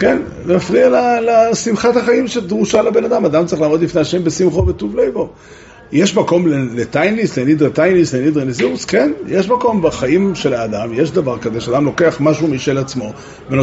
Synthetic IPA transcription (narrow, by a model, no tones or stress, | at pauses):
ken | afʁialalasimχat̪haχaimʃed̪ʁuʃalabe̞nad̪amad̪amt͡saʁiχlaːmo̞d̪lifne̞jaʃe̞mbesimχovet̪uvlejvo | jeʃmako̞mlelet̪ajnlislenid̪ʁet̪ajnislenid̪ʁeniziuskenjeʃmako̞mbaχaimʃelaːd̪amjeʃd̪avaʁkazeʃead̪amlo̞ke̞aχmaʃumiʃelat͡smo̞ | veno